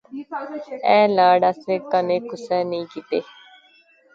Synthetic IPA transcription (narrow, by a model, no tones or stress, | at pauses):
ɛ̃ːlaːɽaːseːkənẽːkʊsɛːnəĩːkiːt̪eː